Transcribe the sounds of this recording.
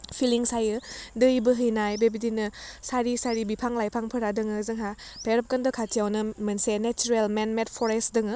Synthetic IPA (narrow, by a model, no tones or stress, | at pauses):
pʰiliŋsajɯdɯjbɯɦɯjnajbebidinɯsaɾisaɾibipʰaŋlajpʰaŋpʰɯɾadɯŋɯzɯŋɦa | pʰeɾɐp̚kandɐkʰatʰijawnɯmɐnsenet͡ʃuɾelmenmet̚pʰɔɾestdɯŋɯ